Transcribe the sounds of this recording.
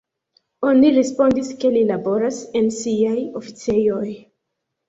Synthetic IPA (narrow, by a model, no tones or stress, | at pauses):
o̞niɾespo̞ndiske̞lilabo̞ɾase̞nsiajo̞fit͡sejo̞j